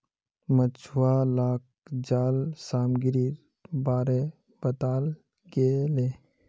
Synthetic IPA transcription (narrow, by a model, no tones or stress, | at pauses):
mət͡ʃʰʊwalaːk̚ | d͡ʒaːlsaːmɡɪɾiːɾ | baːɾe | b̥ət̪aːl | ɡeleː